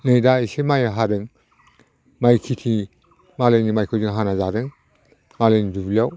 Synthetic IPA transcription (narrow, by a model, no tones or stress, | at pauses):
nɯjdaisemajɦaɾɯŋ | majkʰitʰi | malejnimajkʰɯzɯŋɦanazaɾɯŋ | malejnidubiljaw